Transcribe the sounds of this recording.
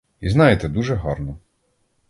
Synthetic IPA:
iznɑjet̪ɛd̪uʒɛɦɔrnɔ

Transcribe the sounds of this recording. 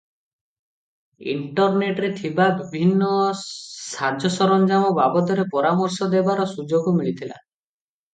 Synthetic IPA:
ḭɳʈɔɾneʈɾet̪ʰibabibʱinːɔ | sad͡ʒʱɔsɔɾɔnd͡ʒamɔbabɔt̪ɔɾepɔɾamɔɾsɔd̪ebaɾɔsud͡ʒoɡɔmiɭit̪ʰila̰

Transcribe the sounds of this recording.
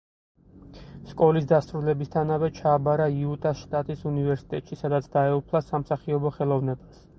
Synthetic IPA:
skʼɔlisd̪asɾulɛbist̪ʰanavɛt͡ʃʰaːbaɾaiut̪ʼaʃt̪ʼat̪ʼisunivɛɾsi̥t̪ʼɛ̰t̪ʼʃisad̪at̪sʰd̪aɛupʰlˠasamsaχiɔbɔχɛlˠɔvnɛbas

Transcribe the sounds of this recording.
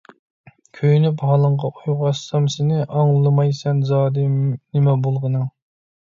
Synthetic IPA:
kʲʰøjnyphɑːlˠəɴʁɑʔʰujʁɑsːɑmsɪnɪʔɑŋlˠɨlˠɨmɑjsɛnzɑːd̪ɨnɪmɛbolˠʁənɨŋ

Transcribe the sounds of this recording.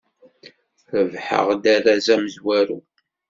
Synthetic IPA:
θəvħə̰ʁd̪æɾazæməzwæɾu

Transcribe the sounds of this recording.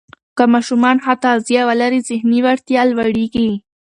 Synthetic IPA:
kamɑʃumɑnhat̪ɑzjɑwalaɾizɪhniwaɾt̪jɑlwaɽiɡi

